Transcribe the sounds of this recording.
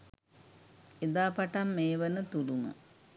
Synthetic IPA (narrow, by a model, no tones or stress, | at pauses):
ed̪aːpɐʈɐmːeːʋənət̪ulumə̰